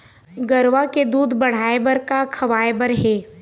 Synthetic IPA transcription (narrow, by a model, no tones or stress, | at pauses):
ɡɐɾʋaked̪uːd̪bɐɽ̤aːebəɾkakʰɐʋaːebəɾɦeː